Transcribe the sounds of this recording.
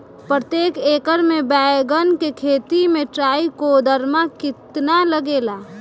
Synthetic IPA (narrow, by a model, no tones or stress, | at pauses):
pɾət̪jeːkeːkəɾmẽbɛːɡənkekʰeːt̪imẽʈɾaːikod̪ʱəɾmakɪt̪naləɡeːlaː